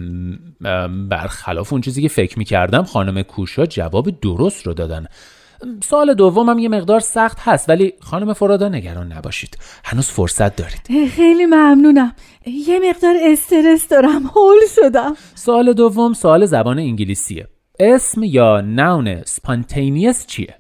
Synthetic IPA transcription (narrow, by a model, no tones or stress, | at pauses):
bæ̰ɾxæ̰lɒ̰ːfeunt͡ʃʰiːziːcʲʰefe̞cʰmiːcʰæ̰ɾd̪æmxɒːnomekʰuːʃɒːd͡ʒæ̰vɒːbid̪oɾost̪rod̪ɒːd̪æ̰n | soɒːle̞d̪ovːomhæmje̞me̞ɣd̪ɒːɾsæxt̪hæst̪væliːxɒːnome̞foɾɒːd̪ɒːne̞ɟæɾɒːnːæ̰bɒ̰ːʃiːd̪̥hænuːz̥fo̰ɾsæt̪̚d̪ɒːɾid̪̥xejlimæmnuːnæm | jeme̞ɣd̪ɒːɾest̪e̞ɾesd̪ɒːɾæmholʃod̪æm | soɒːle̞d̪ovːomsoɒːle̞zæbɒːneiɲɟilisḭe̞̰ | esmjɒːnæwne̞̰spʰɑnt̪ʰejniest͡ʃʰḭḛ